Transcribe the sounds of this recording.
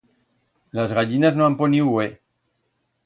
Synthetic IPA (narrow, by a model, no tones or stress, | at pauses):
lazɣaʎinaznoamponiwe